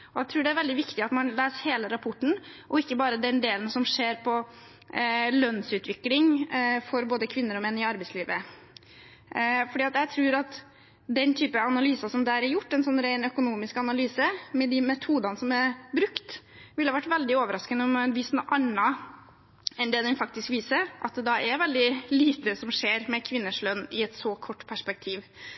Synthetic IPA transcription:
ɔæɪt̪ʰɾʉːɖɛæɾʋɛld̪ɪʋɪkt̪ɪɑt̪mɑnleːsheːləɾɑpʰɔʈːɳ̩ʔɔɪkːəbɑːɾəd̪ɛnd̪eːlənsɔmʂeːɾpʰɔ | lœnsʉːt̪ʰʋɪklɪŋfɔɾboːd̪əkʰʋɪnːəɾɔmɛnːɪɑɾbɛɪsliːʋə | fɔɖiːɑt̪jæɪt̪ʰɾʉːɾɑt̪ | d̪ɛnt̪ʰyːpəɑnɑlyːsɑsɔmd̪æːɾɛɾjʊʈːɛnsɔnɾæɪnœkʊnuːmɪskɑnɑlyːsəmɛd̪ɪmɛt̪ʰuːd̪ɑnəsɔmɛɾbɾʉkt̪ʋɪlhɑʋæʈːʋɛld̪ɪoːʋəɾɑskənəɔmɛnʋɪsnʔɑnɑ | ɛnd̪ɛːd̪ɛnfɑkt̪ɪskʋiːsəɾʔɑt̪̚d̪ɛd̪ɑʔɛɾʋɛld̪ɪliːt̪əsɔmʂeːɾmɛkʰʋɪnːəʂlœnːɪɛt̪sɔkʰɔʈːpʰæʂpɛk̚t̪ʰiːʋ

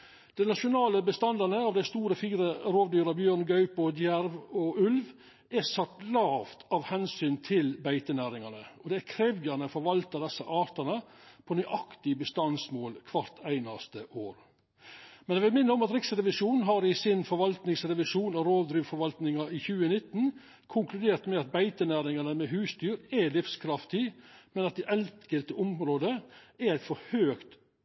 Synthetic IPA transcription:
d̪̥ɛɪnɑʂʊnɑːləbəst̪ɑnd̪ɑɾnəɑʋd̪æɪst̪uːɾəfiːɾəɾoːʋd̪yːɾɑbjøːɾnɡɑʉpɔd̪jæɾʋɔʔʉlʋ | ɛsɑt̪ːlɑːft̪ɑʋhɛnsyːnt̪ʰɪlbæɪt̪ənæːɾɪŋɑnəɔd̪ɛækʰɾɛːʋjɑnəfɔɾʋɑlt̪ɑd̪ɛsːəʔɑːɾt̪ɑnəpʰɔnʏʔɑkt̪ɪbəst̪ɑnsmoːlkʰʋɑɾt̪ʰæɪnɑst̪əʔoːɾ | mɛnæʋɪlmɪnːəɔmɑt̪ɾɪksəɾɛʋɪʂuːnɦɑɾɪsɪnfɔɾʋɑlt̪nɪŋsɾɛʋɪʂuːnɑɾoːʋd̪ɾiːʋfɔɾʋɑlt̪nɪŋɑɪçʉːənɪt̪ːn̩ | kʰʊŋklʉd̪eːɾt̪mɛɑt̪̚bæɪt̪ənæːɾɪŋɑnəmɛɦʉːsd̪yːɾælɪfskʰɾɑft̪ɪmɛnɑt̪̚d̪ɛʔɛltkəlt̪əʔʊmɾoːd̪əæɾæɪt̪fɔɾhøːkt̪

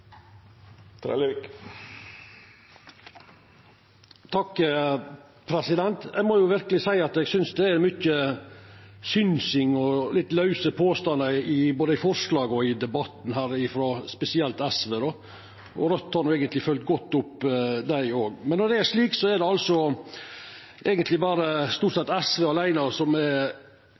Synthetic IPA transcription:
t̪ʰɾɛ̰k | t̪ʰɑkː | pʰɾɛsɪd̪ɛnt̪ɛɡmɔjʊʋɪɾkəlɪsæɪɑt̪ɛɡsʏnsd̪ɛæɾmʏçə | sʏnsɪŋɔlɪt̪ːlɑʉsəpʰoːst̪ɑnəɪboːd̪əɪfɔɾʂlɑːɡəɔɪd̪ɛbɑt̪n̩ɦæːɾɪfɾɔspɛsɪɛlt̪ɛsʋeːd̪ɔ | ɔɾœt̪ːhɑɾnʊɛːɡənt̪lɪfœlt̪ɡɔt̪ːʊpd̪æɪoːɡmɛnːɔɖɛæɾʂɭiːksɔæɖɛɑlsɔ | ʔɛːɡənt̪lɪbɑːɾəst̪uːʈsɛt̪ːɛsʋeːɑlæɪnɑɾsɔmɛ

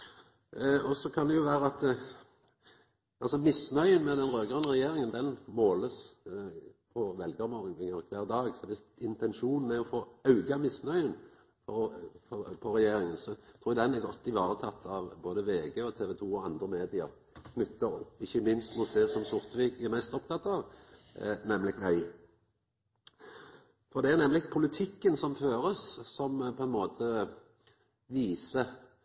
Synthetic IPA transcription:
ɔsɔkʰɑnd̪ɛjʊʋæːɾəɑt̪ | ʔɑlsɔmɪsnœʏənmɛd̪ɛnɾøːɡʁənəʁɛjeːɾɪŋənd̪ɛnmoːləs | pʰɔʋɛlɡɑɾmɔʁɪŋɪŋɑʁkʰʋæːʁd̪ɑːɡsɔʋɪsɪnt̪ʰɛnʃuːnn̩æɾɔfoːɑʉɡɑmɪsnœʏən | pʰɔfʰɔpʰɔɾɛjeːɾɪŋənsɔt̪ʰɾuːjd̪ɛnɛɾɡɔt̪ːɪʋɑːɾət̪ʰɑt̪ʰːɑʋboːd̪əʋeːɡeːɔt̪ʰeːʋɛt̪ʰuːɔɑnd̪ɾəmeːd̪ɪɑ | kʰnʉt̪ːɑɔpːɪçːəmɪnst̪mʊt̪̚d̪ɛsɔmsʊɾt̪ʋɪkæʁmæst̪ɔpt̪ʰɑt̪ːɑʋ | nɛmlɪɡʋæɪ | fɔʁd̪ɛæʁnɛmːlɪɡpʰʊlɪt̪ʰɪkːənsɔmføːɾəssɔmpʰɔɛnmoːt̪ʰə | ʋiːsə

